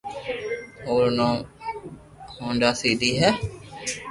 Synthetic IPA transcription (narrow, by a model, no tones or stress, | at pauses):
oːɾnõː | hõːɳɖaːsiːɗ̪iːɦɛː